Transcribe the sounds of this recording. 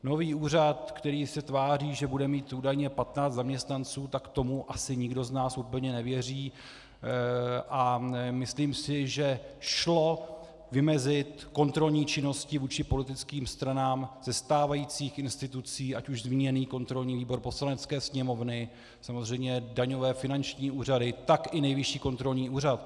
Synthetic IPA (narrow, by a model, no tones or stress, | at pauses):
no̞viːuːrat̪kt̪ɛɾiːsɛt̪vaːriːʒɛbudɛmiːt̪ʔuːdajɲɛpat̪naːt͡st̪zamɲɛst̪nant͡suːt̪akt̪o̞muʔasɪɲɪɡdo̞znaːsʔuːpl̩ɲɛnɛvjɛriː | ʔamɪsliːmsɪʒɛʃlo̞ | vɪmɛzɪt̪ko̞nt̪ɾo̞lɲiːt͡ʃɪno̞scɪvuːt͡ʃɪpo̞lɪt̪ɪt͡skiːmst̪ɾanaːmzɛst̪aːvajiːt͡siːxʔɪnst̪ɪt̪ut͡siːʔacuʒzmiːɲɛniːko̞nt̪ɾo̞lɲiːviːbo̞ɾpo̞slanɛt͡skɛːsɲɛmo̞vnɪ | samo̞zr̝ɛjmɲɛdaɲo̞vɛːfɪnant͡ʃɲiːuːr̝adɪt̪akɪnɛjvɪʃiːko̞nt̪ɾo̞lɲiːʔuːr̝at̪̚